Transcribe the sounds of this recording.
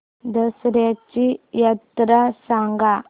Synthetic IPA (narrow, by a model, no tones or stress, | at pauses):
d̪əsɾjat͡ɕijat̪ɾasaŋɡa